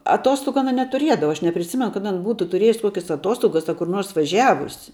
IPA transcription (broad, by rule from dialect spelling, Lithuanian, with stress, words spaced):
ɐˈtoːstoːɡʊ ɐˈnɐ nʲɛtʊˈrʲiɛdɐʋɐ ɐʃ nʲɛpʲrʲɪˈsʲɪmʲɛnʊ kɐt ˈɐn ˈbuːtʊ tʊˈrʲeːjʊs ˈkoːkʲɛs ɐˈtuɔstoːɡɐs ɐ kʊr ˈnoːrs ʋɐˈʒʲæːʋʊsʲɪ